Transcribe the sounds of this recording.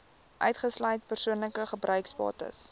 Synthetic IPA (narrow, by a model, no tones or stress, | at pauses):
ʔœ̰ɥtχəslœɥt̚pərsuənləkəχəbrœɥkspɑ̰ːtə̰s